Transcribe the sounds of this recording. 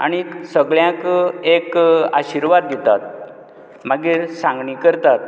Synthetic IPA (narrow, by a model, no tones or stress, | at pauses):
a̰ñisəɡɭjãkekaɕiɾʋad̪ːet̪at̪̚ | maɡiːɾsãŋɡɳikəɾt̪at̪̚